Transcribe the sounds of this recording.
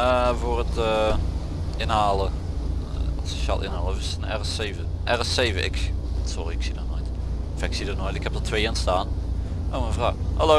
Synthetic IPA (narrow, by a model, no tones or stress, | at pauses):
əvoːrətə | ʔɪnhaːlə | ɔseʃaːlˠʔɪ̰nhaːlˠəsənɛrəseːvəʔɛrəseːvəʔɪ̰ksɔriɪksidənojt | ɔfɪksidənojtɪkhɛp̚dətʰʋeːənstaːn | ʔowmənvrawhalo